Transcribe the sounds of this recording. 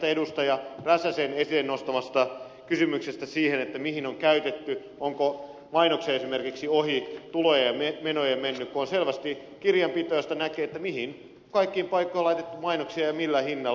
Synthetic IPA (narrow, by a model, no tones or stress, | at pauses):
t̪æedust̪ɑjɑræsæsenesennost̪ɑmɑst̪ɑ | kysymyksest̪æsiːhenet̪ːæmihinoŋkæyt̪et̪ːy | oŋko | mɑinokseesimerkiksiohit̪ulojememenojemenːykkuonselʋæst̪i | kirjɑmpit̪ojɑst̪ɑnækeːet̪ːæmihin | kɑikːiːmpɑikːoilɑit̪et̪ːumɑinoksiɑjɑmilːæhinːɑ